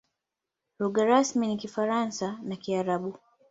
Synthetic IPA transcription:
ɾuɡaɾasminikifaɾansanakiaɾaɓu

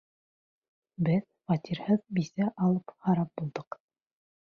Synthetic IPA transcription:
bɘð | fɑt̪ʲiɾhɤðbisæʔɑlˠɤphɑɾɑp̚bulˠd̪ɤq

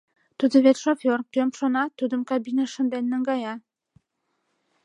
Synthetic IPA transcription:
t̪ud̪əβet̪ʲʃofʲorkømʃonɑt̪ud̪əmkɑbineʃə̆nd̪enːəŋɡɑjɑ

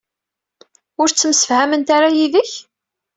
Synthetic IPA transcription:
ʊɾt͡sːəmsə̥fhæmənt̪aɾajiðəç

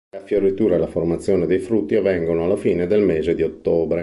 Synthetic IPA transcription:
afjoɾit̪uːɾalaformat̪sːjoːned̪ejfɾut̪ːiavːɛŋɡonoalːafiːned̪elmeːzed̪iot̪ːoːbɾe

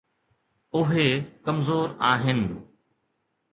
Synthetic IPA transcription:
ʊɦekɐmzoːɾaːɦɪnɪ

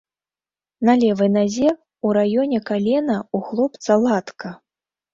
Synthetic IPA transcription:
nɐlʲɛvɨjnazʲɛ | uɾajɔnʲɛkalʲɛnɐuxlˠɔpt̪sɐlˠat̪kɐ

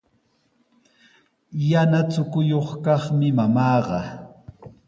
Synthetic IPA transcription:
janat͡sʊkʊjoχkɑχmɪmamɑːɢɑ

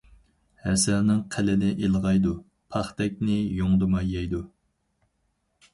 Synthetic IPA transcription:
hɛsɛlnɪŋqʰælɪnɪʔelˠʁɑjd̪u | pʰɑχt̪ɛk̚ʲnɪjoŋd̪ɨmɑjːɛjd̪u

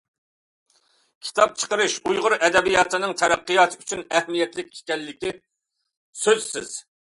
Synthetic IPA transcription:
kʲʰi̥t̪ʰɑp̚t͡ʃʰə̥qəɾɨʃujʁʊɾʔɛd̪ɛbijɑt̪lˠɨnɨŋt̪ʰɛɾæqːɨjɑt̪ʰɨyt͡ʃʰynɛhmijɛt̪lɪk̚ʲːʰe̥k̪ʲɛlːɪkʲi | søzsɪ̰z̥

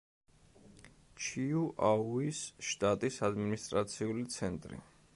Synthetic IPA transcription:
t͡ʃʰiuʔauisʃt̪ʼat̪ʼisad̪minist̪ʼɾat̪sʰiulit̪sʰɛnt̪ʼɾḭ

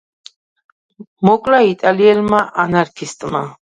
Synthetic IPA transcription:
mɔkʼlait̪ʼaliɛlmaʔanaɾkʰist̪ʼma

